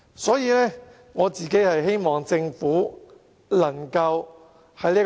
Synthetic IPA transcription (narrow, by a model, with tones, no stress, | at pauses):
sɔː˨˥jiː˨˧lɛː˥ | ŋɔː˨˧t͡siː˨ke˨˥jhɐ˨jɦe˥jmɔː˨ŋt͡sɪ˧ŋfuː˨˥ | lɐ˨˩ŋkɐ˧w | hɐ˨jliː˥